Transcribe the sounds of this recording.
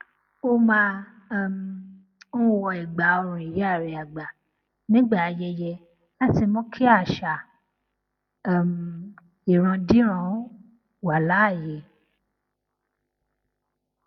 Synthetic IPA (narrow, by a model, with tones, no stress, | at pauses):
o˦˧mãː˧˦˨ | m˨ | nũ˦˧wɔ˧i˨ɡ͡ba˨˦o˧ɾ̃ũ˨i˨jɛ˨˦a˦˨ɾɛ˨a˨ɡ͡ba˨ | nĩ˦ɡ͡ba˦˨a˨˧jɛ˧jɛ˧ | la˦ti˧mɔ̃˦kʰi˦a˦˨ʃa˨ | m̩˨ | i˨ɾ̃ã˧dĩ˦ɾ̃ã˦ | wa˨˦˨la˨˦˨jɛ˨˧